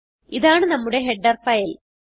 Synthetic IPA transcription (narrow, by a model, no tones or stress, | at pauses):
iðaːɳɨnɐmːuɽe̞ɦeɖːɐrfɐjil